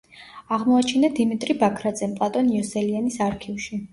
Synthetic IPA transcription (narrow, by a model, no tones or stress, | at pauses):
aʁmɔat͡ʃʰinad̪imit̪ʼɾibakʰɾad̪zɛmpʼlˠat̪ʼɔniɔsɛlianisaɾkʰifʃi